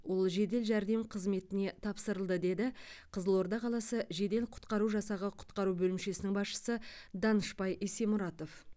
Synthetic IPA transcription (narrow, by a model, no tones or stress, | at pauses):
wo̞lˠʒe̞d̪e̞lʒæɾd̪e̞mqʰəzme̞t̪ɪne̞t̪ʰɑpsəɾəlˠd̪əd̪e̞d̪ɪqʰəzəlˠo̞ɾd̪ɑqʰɑlˠɑsəʒe̞d̪e̞lqʰʊ̥t̪qɑɾuʒɑsɑʁɑqʰʊ̥t̪qɑɾubɵlɪmʃe̞sɪnɪŋbɑsʃə̥səd̪ɑnəʃpɑjʔesemʊɾɑt̪o̞f